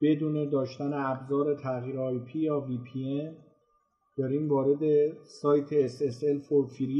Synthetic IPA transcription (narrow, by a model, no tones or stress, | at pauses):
b̥e̞d̪uːne̞d̪ɒːʃt̪æneæbzɒːɾe̞t̪ʰæɣjiːɾeɒjpʰiːjɒːvipʰien | d̪̥ɒɾiːmvɒːɾe̞d̪e̞sɒːjt̪ʰeːseselfofiɾi